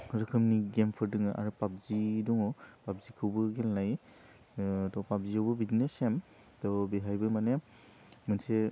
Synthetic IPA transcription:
ɾɯkʰɯmniɡempʰɯɾdɯŋɯʔa̰ɾɯpap̚ziduŋɔpap̚zikʰɯwbɯɡelnaj | tɔpap̚ziawbɯbidnesem | tɔbeɦajbɯmane | mɯnse

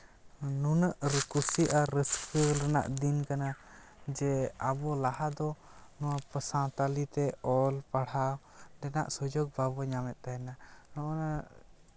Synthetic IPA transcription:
nunəʔɾəkusiʔaɾəskəɾɛna̰ʔd̪inkana | d͡ʒɛabɔlahad̪ɔnɔwapəsãt̪alit̪ɛɔlpaɽ̤aw | ɖɛna̰ʔsɔd͡ʒɔɡ̚babɔɲamɛt̪̚ˀt̪ajɛnanɔʔɔna

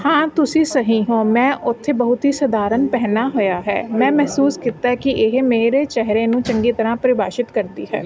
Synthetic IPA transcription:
hãːt̪ʊsĩːsəɦĩːɦõːmɛ̃ːʔʊt̪ʰːebəɦʊt̪ɦiːsəd̪aːɾənpɛɦnaːɦojaːɦɛ̰ːmɛ̃ːmɛɦsuːskiːt̪ːaɦɛkiʔɪɦmeːɾeːt͡ʃɛɦɾẽːnũːt͡ʃə̃ŋɡiːt̪əɾãːpəɾɪbaːʃɪt̪kəɾd̪iːɦɛ̰ː

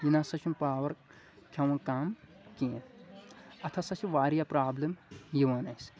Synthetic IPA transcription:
jinasɐt͡ʃʰumpaːʋɐɾ | kʲʰɐwɐ̃nkaːm | kẽːn | ɐt̪ʰɐsɐt͡ʃʰiʋaːɾjapɾaːblɐmjiʋɐnɐjs

